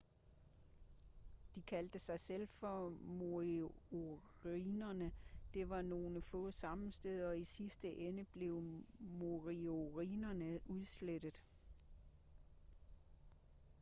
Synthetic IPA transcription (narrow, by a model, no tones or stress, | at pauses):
d̥ikʰæld̥əsɑ̈ɪsel̰fɒ̽mo | o | ʁinɐnəd̥e̝ʋɑ̈no̝ːləfɔ̰̽sɑ̈mn̩sd̥eð̞ˠɐɒ̽isisd̥əʔenəb̥le̝ʊ | moʁioʁḭːnɐnəuð̞ˠsled̥ð̩ˠ